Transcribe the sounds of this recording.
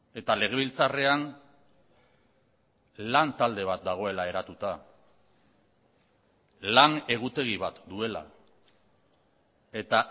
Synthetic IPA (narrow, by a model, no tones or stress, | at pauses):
e̞t̪ale̞ɣ̞e̞βilt͡sare̞an | lant̪ald̪e̞β̞at̪̚d̪aɣ̞o̞e̞lae̞ɾat̪ut̪a | lane̞ɣ̞ut̪e̞ɣ̞iβat̪d̪ue̞la̰ | e̞t̪a